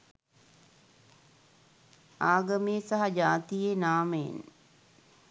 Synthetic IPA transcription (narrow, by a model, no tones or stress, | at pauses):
aːɡɐmejəsaɦɐd͡ʒaːt̪ijenaːməjḛn